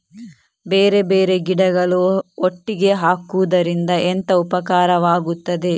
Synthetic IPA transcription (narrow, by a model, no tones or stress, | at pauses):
beːɾe̞beːɾe̞ɡiɽɐɡɐɭuoʈːiɡe̞ɦaːkud̪ɐɾind̪ɐʔent̪ɐupɐkaːɾɐʋaːɡut̪ːɐd̪e̞